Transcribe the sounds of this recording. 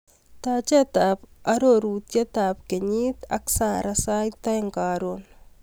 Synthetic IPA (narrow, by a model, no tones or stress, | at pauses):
t̪at͡ʃet̪apɐɾoɾut̪jɛt̪apkeɲiːt̪ɐ̰ksaːɾʔasajt̪ajŋkaːɾon